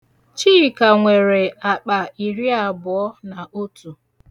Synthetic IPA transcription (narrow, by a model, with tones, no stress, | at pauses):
t͡ʃiː˦˨ka˨ŋʷe˨ɾe˨a˨k͡pa˨i˨ɾi˦a˨bʊ˨ɔ˦na˨ʔo˦tu˨